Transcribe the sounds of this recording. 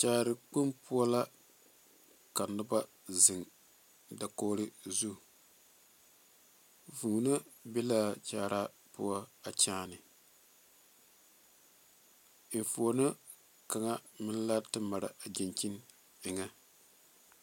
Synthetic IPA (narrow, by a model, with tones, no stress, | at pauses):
t͡ʃaː˨ɾɨ˨k͡pu˦mpʊ˦a˦la˦ | ka˨nɨ˦ba˦ | zɨ˨ŋ | da˨koː˦ɾɪ˦zu˦˨ | vu˨na˦be˦la˦˨t͡ʃaː˨ɾa˦ | pʊ̰˦a˦a˨t͡ʃaː˦nɨ˨ | ɱ˨fu˨a˨na˦ | ka˨ŋa˦mɪ˦n˦la˦tɨ˦ma˨ɾa̰˨a˨d͡ʒɪ˨nt͡ʃi˦n | ɪ˨ŋa˦